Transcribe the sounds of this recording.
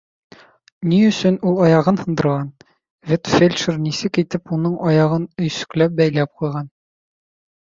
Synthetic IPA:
niɵ̆sɵnulˠɒjɑʁɤnhɤ̆nd̪ɤ̆ɾʁɑn | vʲet̪fʲelʲʃərnisɘkit̪ɘpunɤɴʔɒjɑʁɤnɵ̆jsɵ̥̆klæp̚bæjlæp̚qujʁɑn

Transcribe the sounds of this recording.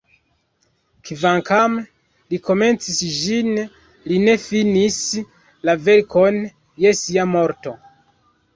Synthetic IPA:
kvaŋkʰam | liko̞me̞nt͡sisʒin | line̞finis | lave̞ɾko̞n | je̞siamo̞ɾto̞

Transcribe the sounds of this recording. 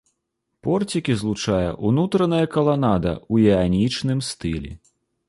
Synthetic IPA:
pɔrt͡sʲikʲizlˠut͡ʂajɐ̰ʔunut̪ɾɐnɐjɐkɐlˠanad̪ɐ̰ujɛanʲit͡ʂnɨmst̪ɨlʲɛ̰

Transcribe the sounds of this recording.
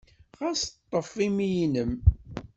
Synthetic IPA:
ʁast̪ˤːəfːimijinəm

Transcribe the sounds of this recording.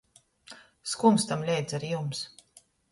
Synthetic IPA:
skumst̪amlʲɛjd̪zaɾijums

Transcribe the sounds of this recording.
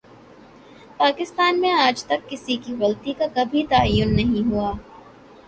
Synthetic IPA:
paːkɪst̪aːnmẽaːd͡ʒt̪ɐkːɪsikiɣɐlt̪ikakɐbʱit̪aːəjːʊnːɐɦĩɦuaː

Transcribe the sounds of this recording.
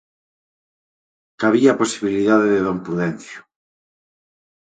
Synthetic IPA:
kaβiaposiβiliðaðeðeðompɾuðɛn̟θjʊ̥

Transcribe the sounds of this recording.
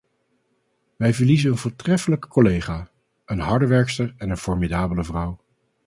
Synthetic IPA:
ʋɛjvəɹlizəənvʊːɹtrɛfələkkolejχaː | ənɦɑɹdəʋɛɹkstəɹɛnənfɔɹmidaːbələvrʌw

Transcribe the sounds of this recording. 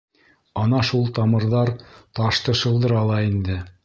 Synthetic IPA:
ɑnɑʃulˠt̪ɑmɤ̆ɾðɑɾt̪ɑʃt̪ɤ̆ʃɤ̆lˠd̪ɤɾɑlˠɑind̪ɘ

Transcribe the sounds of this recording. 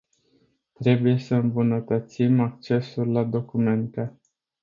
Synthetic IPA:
t̪ɾe̞buje̞səɨmbunət̪ət̪simak̚t͡ʃe̞sulʲːad̪o̞kume̞nt̪e

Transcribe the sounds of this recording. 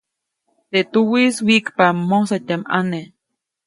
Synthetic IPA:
t̪et̪uwiswikpamːosat̪ʲama̰ne

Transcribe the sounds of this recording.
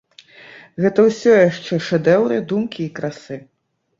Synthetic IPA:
ɣɛt̪ɐwsʲɔjaʂt͡ʂɛʂɛd̪ɛwɾɨd̪umkʲiːkɾasɨ

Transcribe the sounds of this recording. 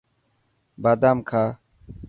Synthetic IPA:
baːd̪aːmkʰaː

